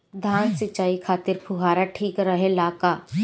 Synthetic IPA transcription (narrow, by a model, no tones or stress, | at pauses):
d̪ʱaːnsɪt͡ʃːaːikʰaːt̪ɪɾpʰʊɦaːɾaʈʰiːkɾəɦẽlaːkaː